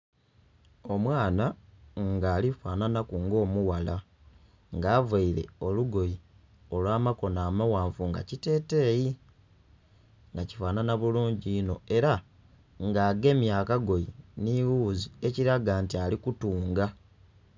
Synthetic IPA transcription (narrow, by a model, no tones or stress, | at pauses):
o̞mwaːnaŋɡaːlifaːnanakuŋɡo̞ːmuwala | ŋɡaːvaiɾe̞̰o̞luɡo̞ji | o̞lwaːmako̞naːmawaːɱfuŋɡa̰cite̞ːte̞ːji | ŋɡaci̥faːnanaβuluːɲɟiːno̞e̞ɾa | ŋɡaːɡe̞mjaːkaɡo̞jiniwuːzie̞ciɾaɡaːntialikutuːŋɡa